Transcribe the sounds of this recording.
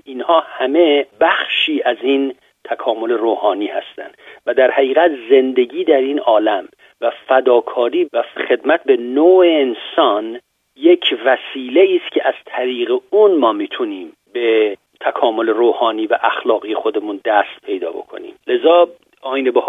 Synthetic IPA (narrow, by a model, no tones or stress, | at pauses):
ʔinhɒːhæme̞bæxʃiːʔæzin | t̪ʰækʰɒːmo̞le̞ɾoːhɒːniːhæst̪æ̰nd̪væd̪æɾhæɣiːɣæt̪ze̞nd̪e̞ɟiːd̪æɾinɒːlæm | væfæd̪ɒːkʰɒːɾiːvæxe̞d̪mæt̪̚be̞noːeːnsɒn | jecʰvæsiːle̞iːst̪cʰeʔæz̥t̪ʰæɾiːɣeunmɒːmiːt̪ʰuniːm | be̞ | t̪ʰækʰɒːmo̞le̞ɾoːhɒːniːvæʔæxlɒːɣiːjexo̞d̪e̞mund̪æst̪̚pʰe̞jd̪ɒ̰ːbo̞̰kʰo̰nḭːmle̞zɒː | ɒːinebeh